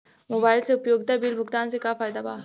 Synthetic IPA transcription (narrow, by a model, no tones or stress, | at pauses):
moːbaːɪlseʊpjoːɡt̪abiːlbʱʊkt̪aːnsekafaːjd̪abaː